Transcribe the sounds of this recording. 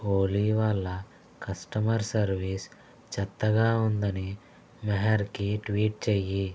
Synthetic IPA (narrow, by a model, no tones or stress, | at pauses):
oːliʋɐlːɐ | kɐsʈɐmɐɾsɐɾʋiːs | t͡ʃɐt̪ːɐɡaːund̪ɐni | mɐɦɐɾkiʈʋiːʈ̚t͡ʃeːji